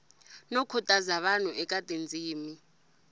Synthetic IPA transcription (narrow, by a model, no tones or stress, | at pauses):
nɔkʰɔtʼazaɓan̤uʔɛk̬ʼatʼend͡zʱiːmi